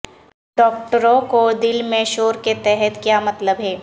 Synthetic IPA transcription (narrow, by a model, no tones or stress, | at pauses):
ɖɔːk̚ʈəɾõkod̪ɪlmẽʃoːɾket̪ɛɦɛt̪kjaːmɐt̪ləbɦɛː